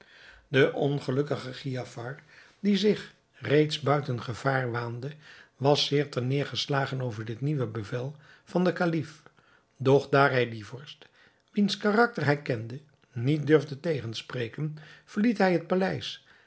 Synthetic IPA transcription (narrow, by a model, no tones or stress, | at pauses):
dəʔɔnχəlɵkəχəχiafɑɹ | dizɪχ | rejtsbœɥtənχəv̥aːɹʋaːndəʋɑsːɪːɹtənɪːɹχəslaːχənowvəɹdɪtniʋəbəvɛlˠ | v̥ɑndəkalif | dɔχdaːɹɦɛjdivɔɹst | ʋinskarɑk̚tərɦɛjkɛndə | nit̚døɹvdətejχənsprejkənv̥əɹlitɦɛjɦət̚palɛjs